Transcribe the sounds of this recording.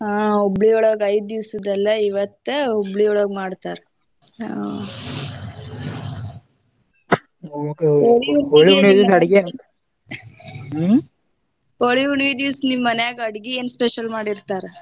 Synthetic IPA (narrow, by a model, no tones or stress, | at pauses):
aːobɭioːɭoːɡɐjd̪̚d̪iʋsɐd̪ɐlːɐiʋɐt̪ːeobɭioːɭoːɡmaːɽt̪aːɾe | a | okeooːɭiuɳʋid̪jisɐɽɡeɐn | oɭiuɳʋid̪iwsnimːɐnjaːɡɐɽɡieːnspeʃɐlmaːɽiɾt̪aːɾe